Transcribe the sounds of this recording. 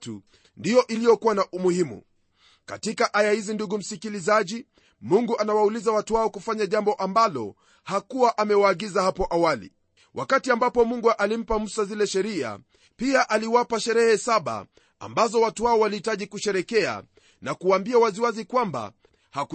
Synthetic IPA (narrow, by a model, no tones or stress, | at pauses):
tṵ | ndijɔʔilijɔkuwanaʔumuhimṵ | katikaʔajahizinduɡum̩sikilizaʄi | muŋɡuʔanawaulizawatuwaɔkufaɲaʄambɔʔambalɔ̰ | hakuwaʔamɛwaːɠizahapɔʔawalḭ | wʔakatiambapɔmuŋɡuʔalim̩pam̩sazilɛʃɛɾia̰ | piaʔaliwapaʃɛɾɛhɛsaɓa̰ | a̰mbazɔwatuwaɔwalihitaʄikuʃɛɾɛkɛa̰ | nakuwaːmbiawaziwazikwamba̰ | hak